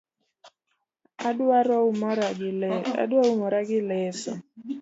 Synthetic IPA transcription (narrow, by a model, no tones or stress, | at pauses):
adaɾɔm | a̰dwaumɔɾaɡɪlɛsɔ̰